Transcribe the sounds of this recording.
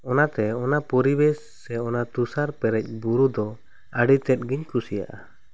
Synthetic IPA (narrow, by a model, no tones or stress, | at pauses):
ɔnat̪ɛɔnapɔɾibɛsːɛɔnat̪usaɾpɛɾɛc̚ˀbuɾud̪ɔ | əɖit̪ɛt̪̚ɡiɲkusija̰ʔa